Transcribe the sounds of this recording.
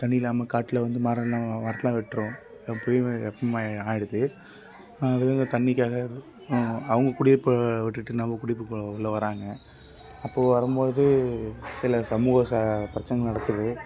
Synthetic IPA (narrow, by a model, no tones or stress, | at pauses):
t̪ɐɳːɪɪlaːmɐkaːʈːɪlɐʋɐnd̪ɯmaːɾɐlãːʋɐɾɐt̪ːɐlãːʋɪʈːɾʊ̃ | poːjɛpːɐmaaːjɪɽɯt̪ːɯ | ɐɾɐðeːɪnd̪ɐt̪ɐɳːɪkʲːaːɣɐ | ɐʋɐŋɡɐkʊɽɪpːɯʋɪʈːɯʈːɯnɐmbɐkʊɽɪpːɯkːʊɭːɐʋɐɾaːŋɡɐ | ɐpːoːʋɐɾɯmboːðɯsɪlɐsɐmuːɣɐsapɾɐt͡ʃːɐŋɡɐnɐɽɐk̪ːɯðɯ